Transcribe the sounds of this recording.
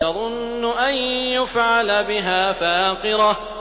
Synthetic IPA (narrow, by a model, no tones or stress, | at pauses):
ɑðˤʊnːʊʔanjʊfʕalabɪɦaːfaːqɨɾɑ